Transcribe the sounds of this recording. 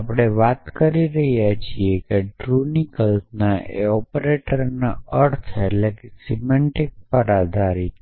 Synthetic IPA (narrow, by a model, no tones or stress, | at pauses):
apɽ̃eʋat̪kəɾiɾəɦjat͡ʃʰiekeɖɾunikəlsnaʔḛɔpɾeʈəɾnaəɾt̪ʰeʈlekesimɛɳʈik̚pəɾad̪ʱaɾi